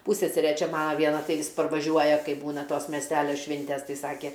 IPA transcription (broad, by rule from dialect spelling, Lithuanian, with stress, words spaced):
ˈpuːsʲsʲɛsʲɛrʲɛ ˈt͡ʃʲɛ ˈmɑːnɐ ˈʋʲiɛnɐ ˈtɐɪ ˈʋʲɪs pɐrʋɐˈʒʲuɔjɛ ˈkɐɪ ˈbuːnɐ ˈtoːs mʲɛsʲˈtʲælʲoː ˈʃʲʋʲɪnʲtʲɛs ˈtɐɪ ˈsɑːkʲɛ